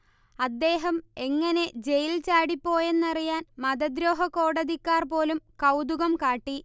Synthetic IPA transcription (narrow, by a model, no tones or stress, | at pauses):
ɐd̪ːe̞ːɦɐme̞ŋːɐne̞d͡ʑe̞jilt͡ɕaːɽipːo̞ːje̞nːɐrijaːnmɐd̪ɐd̪ɾo̞ːɦɐkːo̞ːɽɐðikʲːaːrpo̞ːlumkɐwd̪uɣɐmkaːʈːi